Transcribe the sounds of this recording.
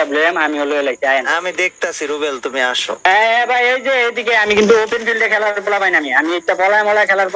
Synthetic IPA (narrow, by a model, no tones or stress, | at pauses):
abloamamiɦoloelat̪ajnamid̪ek̚t̪asʰiɾubelt̪umiaʃo̰ɦɛ̃ɛ̃bʱajejd͡ʑeejd̪ikeamikint̪uopenfʰilɖekʰɛlaɾkolapajnamiamiek̚ʈapɔlajmɔlajkʰɛlaɾk